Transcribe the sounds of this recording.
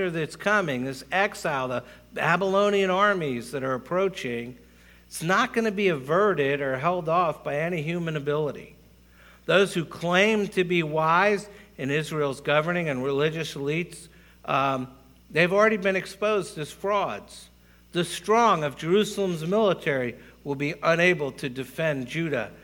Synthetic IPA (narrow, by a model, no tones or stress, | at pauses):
ə˞ðɨtskʰʌmɪ̃ŋðɪsɛksaɪlˠðə | bæbəlõʊ̃ñiɨ̃nɑɹmizðɨɾə˞ɨpʰɹ̥oʊt͡ʃɪ̃ŋ | tsnət̚ɡ̥ʌnɨbiɨvɜ˞ɾɪɾə˞ɦɛlˠdɔfb̥aɪɛñiɦjʉmɨ̃nɨbɪlˠəɾḭ | ðoʊz̥hʉkʰl̥ẽɪ̃mtʰɨbiwaɪzɨ̃nɪzɹilˠzɡʌvə˞nɪ̃ŋɨ̃nɹɪlɪd͡ʒɨsəlits | ðeɪɨvl̩ˠɹɛɾibɨ̃nɨkspoʊzdɨz̥fɹɔdz̥ | ðɨstɹ̥ɔ̃ŋʌvd͡ʒə˞ʉsl̩ˠə̃mzmɪlˠətʰɛɹiwəlˠbiʔə̃neɪbl̩ˠtʰɨdɨfɛ̃nd͡ʒʉɾɨ̰